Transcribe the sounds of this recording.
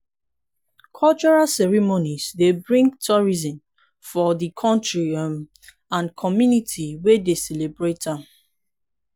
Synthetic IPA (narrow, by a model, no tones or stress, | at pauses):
kʰɔlt͡ʃɔɹalsɛɹimonizdebɹĩŋɡtʰɔɹizɔ̃n | fɔðikʰɔ̃ntɹim | ãnkʰɔmjunitʰiwedesɛlebɹetãm